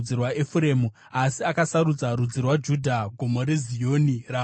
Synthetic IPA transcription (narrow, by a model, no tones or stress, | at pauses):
d͡zirwaefuɾe̞ːmu | asiakasaɾud͡zaɾud͡zirwad͡ʒudʱaɡʱomo̞ɾezijo̞ːniraː